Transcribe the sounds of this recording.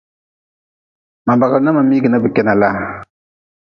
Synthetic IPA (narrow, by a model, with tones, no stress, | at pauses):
ma˨ba˨ɣa˨˦na˦ma˨miː˦ɡɨ˨nɨ˦bɨ˨kɛ˦na˨la˦